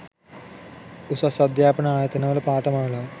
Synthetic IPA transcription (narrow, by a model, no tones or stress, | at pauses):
usɐsɐd̪jaːpɐɳɐaːjɐt̪ɐnɐʋɐlɐpaːʈɐmaːlɐ